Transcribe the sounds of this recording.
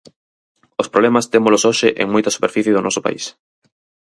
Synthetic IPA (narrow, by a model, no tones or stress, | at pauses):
ospɾoβlemɐst̪emʊlʊsoʃɪʔḛŋmojt̪ɐsu̥peɾfiθjɪðʊnʔɔsʊpa̰is